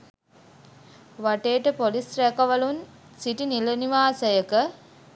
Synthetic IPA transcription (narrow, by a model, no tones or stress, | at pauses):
ʋaʈeːʈəpolisrækɐʋɐlun | siʈiniləniʋaːsəjəkə